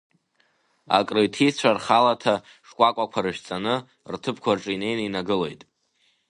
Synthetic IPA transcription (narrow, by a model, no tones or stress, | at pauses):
a̰kʼrɨjtʰit͡sʷʰarχalatʰa | ʂkʷʼakʷʼakʷʰaɾɨʃᶣt͡sʼanɨ | rtʰɨpʰkʷʰarʈ͡ʂʼine̞jnainaɡɨle̞jtʼ